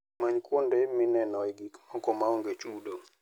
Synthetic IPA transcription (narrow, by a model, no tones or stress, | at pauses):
maɲkwondemɪnɛnɔɛɡikmɔkɔmaoŋɡet͡ʃudo